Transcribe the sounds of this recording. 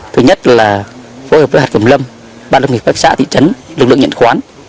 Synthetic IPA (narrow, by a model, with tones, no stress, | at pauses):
t̪ʰɨ˨˦ɲə˦˥t̚laː˨˩fo˨˦həː˨˩vəː˨˦haː˨˩kə˨˩mlə˧m | ɓaː˧nlə˧wŋ͡mŋi˨˩faː˦˥k̚sa̰ː˧˥t̪ʰḭ˧˨t͡ɕə˨˦nlk̚lɨ̰˧˨ŋɲə̰˧˨nxwaː˨˦n